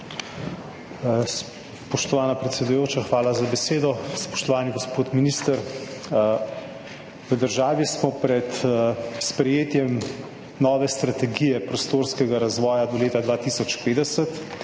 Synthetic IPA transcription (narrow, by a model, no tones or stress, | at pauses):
s | pɔʃt̪ɔʋaːnapɾɛt̪sɛd̪ujoːt͡ʃaxʋaːlazabɛseːd̪ɔspɔ̥ʃt̪ɔʋaːniɡospoːt̪miniːst̪əɾ | ʋəd̪əɾʒaːʋismɔpɾɛt̪spɾɛjeːt̪jɛm | nɔːʋɛst̪ɾat̪ɛɡijɛpɾɔst̪oːɾskɛɡaɾazʋɔːjad̪ɔleːt̪ad̪ʋaːt̪iːsɔt͡ʃpeːd̪ɛsət̪